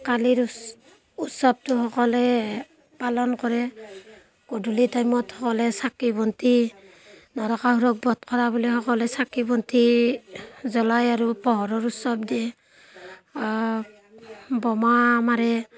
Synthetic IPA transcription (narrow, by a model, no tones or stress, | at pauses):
kaliɾ | utsɔb̚tuɦɔkɔlɛ | palɔnkɔɾɛ | kodʱulitajmɔthɔkɔlɛsakibɔnti | nɔɾɔkaɦuɾɔk̚bɔt̚kʰɔɹabuliɦɔkɔlɛsakibɔnti | zɔlajaɾupɔɦɔɾɔɹusɔb̚dɛ | bɔmamaɾɛ